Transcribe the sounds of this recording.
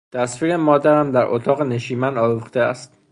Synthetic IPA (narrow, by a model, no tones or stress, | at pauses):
t̪ʰæsfiːɾemɒːd̪æɾæmd̪æɾʔo̰t̪ʰɒːɣene̞ʃiːmænd̪ɒːɾuxt̪eæ̰st̪̚